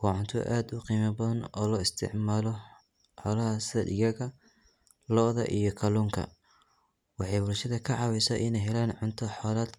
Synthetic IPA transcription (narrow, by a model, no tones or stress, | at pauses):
ɡ̥ɔʕʊnt̪ʰʊ̰ʔaːd̪ʊqiːmɐbɐðɐnɔ̰ːlɔːɪst̪ʰɪ̰ʕmaːlɔ | ħɔlɐhɐsɐdɪjɐɣɐ | lɔːðɐ̰ʔijɞkʰɐluːŋkʰɐ̰ | wɑħɑjbʊlʃɐðɐkʰɐʕɑwɛsɐ̰ʔɪnɛjɦɛlaːnʕʊnt̪ʰɐħɔːlaːd̪